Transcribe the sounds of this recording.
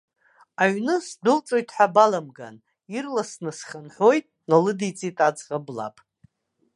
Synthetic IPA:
aɥnɨsdʷʊlt͡sʼo̞jtʼħʷᶣabalamɡa̰n | irlasnɨsχʲanħʷo̞jtʼnalɨdit͡sʼitʼad͡zʁabla̰pʼ

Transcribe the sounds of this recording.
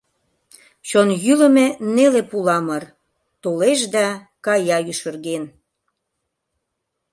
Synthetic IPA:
t͡ɕonjylə̆menelepulɑmər | t̪oleʃd̪ɑ | kɑjɑjyʃə̆rɣen

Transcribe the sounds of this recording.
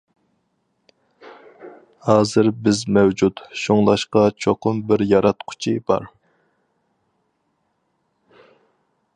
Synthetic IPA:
hɑːzɨɾbɪzmɛwd͡ʒut̪ʃoŋlˠɑʃqɑt͡ʃʰoqʊmbɪɾjɑɾɑt̪qʰʊ̥t͡ʃʰibɑ̰ɾ

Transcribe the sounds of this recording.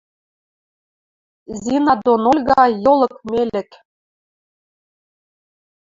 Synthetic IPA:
zʲinɑd̪onolʲɣɑjolˠɤ̆kmelɘ̆k

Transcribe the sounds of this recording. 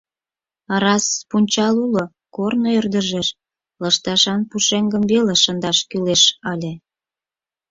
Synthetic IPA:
ɑɾɑspunʲt͡ɕɑlulo | kornoørd̪əʒeʃ | ləʃt̪ɑʃɑnpuʃeŋɡəmbeleʃənd̪ɑʃkyleʃɑlʲe

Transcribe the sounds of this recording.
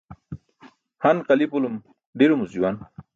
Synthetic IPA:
hanqalipulum | ɖeɾumuziwan

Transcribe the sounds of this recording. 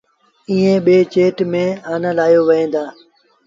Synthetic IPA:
ĩːẽːɓeːt͡ʃeːʈmẽːaːnãːlaːjoːʋəɦẽːnd̪aː

